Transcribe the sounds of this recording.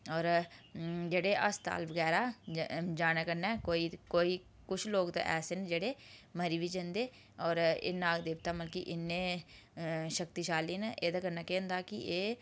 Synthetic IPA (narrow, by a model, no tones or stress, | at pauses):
ɔːɾ | d͡ʒeːɽeːʔəst̪a̰ːlʋəɡɛːɾaːd͡ʒaːnaːkəɾnɛːkoːiːkoːiː | kʊt͡ʃʰloːɡt̪ḛʔɛ̰ːseːnd͡ʒeːɽeːməɾiːʋid͡ʒẽːnd̪eː | ɔːɾḛːnaːɡd̪eːbt̪aːməlkiʔɪnːeː | ʃəkt̪iːʃaːliːnʔeːd̪aːkəɾnaːkɛ̃ːnd̪aːkɪeː